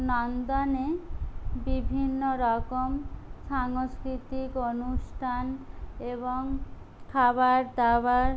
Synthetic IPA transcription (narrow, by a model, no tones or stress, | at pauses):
nɔnd̪ane | bibʱinːoɾɔkomʃaŋoskɾit̪ikonusʈʰaneβoŋ | kʰabaɾd̪abaɾ